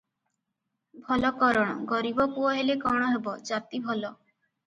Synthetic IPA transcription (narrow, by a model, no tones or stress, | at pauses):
bʱɔlɔkɔɾɔɽ̃ɔ̰ɡɔɾibɔkuɔɦelekɔɽ̃ɔɦebɔd͡ʒat̪ibʱɔlɔ